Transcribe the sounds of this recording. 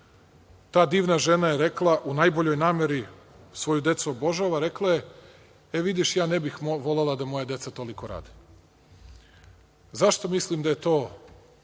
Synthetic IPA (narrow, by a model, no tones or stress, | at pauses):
t̪aːd̪iːʋnaʒe̞najeɾe̞klˠaʔunajbo̞ʎo̞jnaːmje̞ɾi | sʋo̞jud̪e̞t̪suobo̞ʒaʋaɾe̞klaje̞ | eʋid̪iʃjaːne̞bixʋo̞lelad̪amo̞jad̪je̞sat̪o̞liko̞ɾa̰ːd̪i̥ | zaʃt̪o̞mislimd̪aje̞t̪o̞ː